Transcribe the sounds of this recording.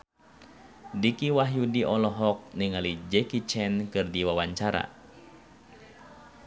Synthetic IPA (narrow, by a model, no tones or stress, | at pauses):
dikiwaɦjudiʔɔlɔɦɔk̚niŋalid͡ʒɛkit͡ʃɛnkɨrdiwawaɲt͡ʃaɾa̰